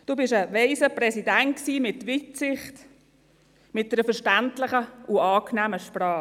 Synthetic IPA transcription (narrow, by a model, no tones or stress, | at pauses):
d̥uːbɪʃəʋɛɪzəprɛsidænt̚ksiːmɪtʋɪtsɪχt | mɪt̚dɛɾəfəʃtæntlɪχəuɑːknæːməʃpɾɑː